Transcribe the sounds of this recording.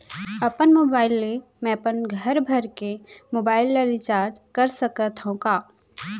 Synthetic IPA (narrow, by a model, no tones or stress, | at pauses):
əpənmoːbaːɪlːe | mɛ̃əpənɡʱəɾbʱəɾkemoːbaːɪlːaɾɪt͡ʃaːɾd͡ʒkəɾsəkət̪ɦõkaː